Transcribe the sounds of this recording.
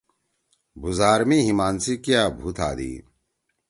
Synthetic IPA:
buzaːɾmiɦimaːnsikjaːbʱut̪ʰa̰ːd̪ḭː

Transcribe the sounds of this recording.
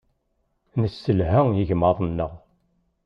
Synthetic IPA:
nəsːəlɦæjəʝmɑðˤnːəʁ

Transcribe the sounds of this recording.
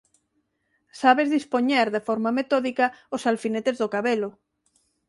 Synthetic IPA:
saβezðispoɲeɾðefɔɾmamet̪oðikaosalfinet̪ezðokaβelo

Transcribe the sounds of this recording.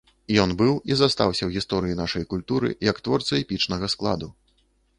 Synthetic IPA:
jɔnbɨwizast̪awsʲɐwɣʲist̪ɔɾɨjinaʂɐjkulʲt̪uɾɨ̰jɐkt̪vɔrt̪sɐɛpʲit͡ʂnɐɣɐsklˠa̰d̪u

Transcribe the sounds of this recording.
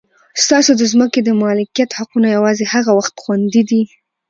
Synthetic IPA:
st̪ɑsod̪əzməked̪əmɑlɪkijat̪haqunojawɑzehaɣawaxt̪xwand̪id̪i

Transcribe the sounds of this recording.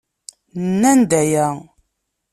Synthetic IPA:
nːænd̪æjæ

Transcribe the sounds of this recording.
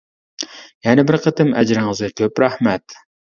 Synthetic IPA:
jɛnɪbɪɾqʰət̪ɨmɛd͡ʒɾɪŋɨzɨkʲʰøpɾæhmɛt̪

